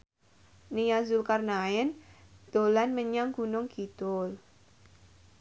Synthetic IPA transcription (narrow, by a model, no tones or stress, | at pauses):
nijazulkarnaɛnd̪̥o̤lanməɲaŋɡ̥ṳnʊŋɡ̥it̪ʊl